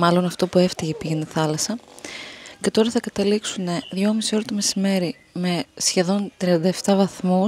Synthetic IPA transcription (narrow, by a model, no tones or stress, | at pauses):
mɐlo̞nɐft̪o̞pue̞ft̪içepiʝeniθɐlɐsɐ | ce̞t̪o̞ɾɐθɐkɐt̪ɐliksune̞ðʝo̞misio̞ɾɐt̪omesime̞ɾi | me̞sçe̞ðo̞nt̪ɾiɐnd̪ɐeft̪ɐvɐθmu